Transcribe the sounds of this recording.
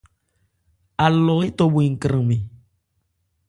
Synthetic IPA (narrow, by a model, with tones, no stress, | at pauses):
a˨lɔ˨˦e˦t̪o˦bu˨i˨ŋ̩˨kɾə̃˨mẽ˨